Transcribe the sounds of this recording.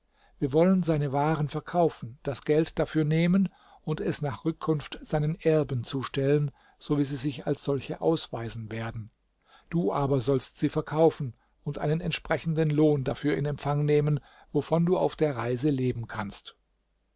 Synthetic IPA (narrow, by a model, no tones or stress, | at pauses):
viːɐvɔlənzaɪnəvaːʁənfɛɐkʰaʊfn̩d̥asɡ̥ɛltd̥afyːɐneːmən | ʊntɛsnaːχʁ̥ʏkʰːʊnftz̥aɪnənʔɛɐbən̩t͡suːʃtɛlən | z̥oviːziːzɪça̰lsz̥ɔlçəʔa̰ʊsv̥aɪzn̩veːɐdn̩ | d̥uːʔaːbɐzɔlstz̥iːfɛɐkʰaʊfn̩ | ʊntʔa̰ɪnənɛntʃpʁ̥ɛçn̩dənloːndafyːɐɪ̰nɛmfaŋneːmən | vofɔnduːa̰ʊfd̥eːɐʁaɪzəleːbm̩kʰanst